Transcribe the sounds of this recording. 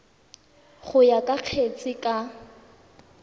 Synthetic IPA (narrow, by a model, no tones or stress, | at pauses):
χʊjakʼaq͡χʰet͡sʼɪkʼa